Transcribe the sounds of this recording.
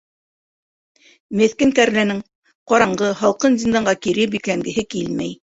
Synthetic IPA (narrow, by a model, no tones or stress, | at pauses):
mɘ̆θkɘŋkæɾlænɘŋ | qɑɾɑɴɢɤɦɑlˠqɤnzʲind̪ɑɴɢɑkiɾɘbiklæŋɡɘ̆ɦɘkilmæ̰j